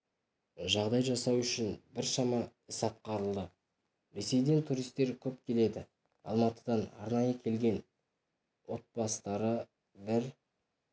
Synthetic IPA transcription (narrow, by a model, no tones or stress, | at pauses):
ʒɑʁd̪ɑjʒɑsɑwʏʃɪnbɪɾʃɑmɑɪsɑt̪̚qɑɾəlˠd̪ə | ɾe̞se̞jd̪e̞nt̪ʰuɾijst̪ːe̞ɾkʲʰɵpkʲʰe̞le̞d̪ɪ | ɑ̰lˠmɑt̪əd̪ɑnɑ̰ɾnɑjəkʲʰe̞lɡʲe̞n | wo̞t̪̚bɑst̪ɑɾə | bɪɾ